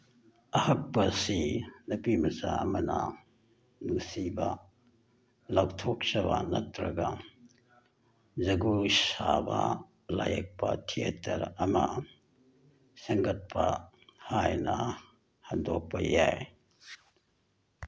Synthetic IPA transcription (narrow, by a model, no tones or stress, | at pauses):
ɐhɐk̚pɐsinɐpimɐsaɐmɐnɐ | nusibɐ | lawtʰok̚t͡ʃɐbanɐtɾɐɡɐ | zɐɡusabɐ | lajɐk̚pɐtʰietʰɐɾɐmɐ | sɐŋɡɐt̚pʰɐ | hajnɐ | hɐndok̚pɐjaj